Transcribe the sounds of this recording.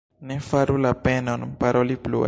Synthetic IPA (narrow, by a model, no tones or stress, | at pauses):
nefaɾulapenonpaɾʔoliplṵ